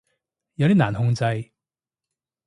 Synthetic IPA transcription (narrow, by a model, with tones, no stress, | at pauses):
jɐ˨˧wt̪iː˥naː˨˩nhʊ˧ŋt͡sɐ˧j